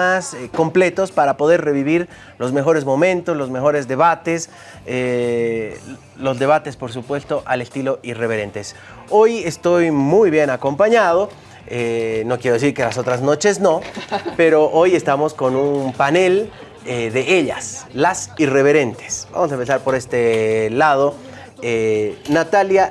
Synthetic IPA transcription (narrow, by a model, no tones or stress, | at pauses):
asko̞mple̞t̪o̞spaɾapo̞ðe̞ɾre̞βiβiɾ | lo̞zme̞xo̞ɾe̞zmo̞mẽ̞nt̪ozlo̞zme̞xo̞ɾe̞zðe̞βat̪es | e | lo̞zðe̞β̞at̪e̞spo̞ɾs̬upwe̞st̪o̞ʔale̞st̪ilo̞ʔire̞βe̞ɾe̞nt̪es | o̞je̞st̪o̞jmujβje̞nako̞mpaɲað̞o̞ | eno̞kjeɾo̞es̬iɾkelaso̞t̪ɾazno̞t͡ʃe̞zno̞pe̞ɾo̞ʔo̞je̞st̪amo̞sko̞nunmpane̞l | eðeeʎaslasire̞βe̞ɾe̞nt̪e̥sba̰mosaempes̬aɾpo̞ɾe̞st̪elað̞o̞ | enat̪alja